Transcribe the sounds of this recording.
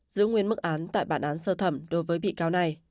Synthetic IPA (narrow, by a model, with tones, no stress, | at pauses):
zɨ̰˧˥ŋwi˨˧ənmɨ˦˥k̚ʔaː˨˦nt̪a̰ː˧˨jɓaː˧˩nʔaː˨˦nsəː˧˩t̪ʰə˧˩mɗo˨˦jvəː˨˦jɓḭ˧˨kaː˨˦wna˨˩j